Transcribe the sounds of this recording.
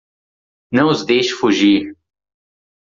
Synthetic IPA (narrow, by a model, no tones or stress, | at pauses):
nɐ̃w̃ʊzd̪ejʃʊ̥fuʒiɾ